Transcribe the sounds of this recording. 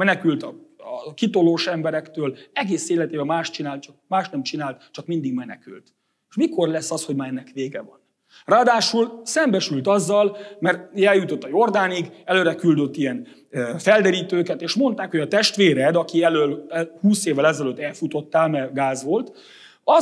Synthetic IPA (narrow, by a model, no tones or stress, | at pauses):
ɛnɛkylt̪ɒɒkit̪o̞loːʃɛmbɛɾɛkt̪øːlɛɡeːseːlɛt̪eːbɛmaːʃt̪t͡ʃinaːlt̪̚t͡ʃɒk̚maːʃt̪nɛmt͡ʃinaːlt̪t͡ʃɒkmind̪iɡmɛnɛ̰ky̰lt̪ | ʃmiko̞rlɛsːɒsho̞ɟmaːɾɛnːɛkʋeːɡɛvɒn | raːd̪aːʃulsɛmbɛʃylt̪ɒzːɒlmɛrt̪jɛljut̪o̞t̪ːɒjo̞rd̪aːniɡɛløːɾɛkyld̪ø̞t̪ːijɛn | fɛld̪ɛɾiːt̪øːkɛt̪eːʃmo̞nt̪aːkhojɒt̪ɛʃt̪ʋeːɾɛd̪ɒkiɛløːlhuːseːvːɛlɛzɛløt̪ːɛlfut̪o̞t̪ːaːlmɛɡaːzʋo̞lt̪ | ɒ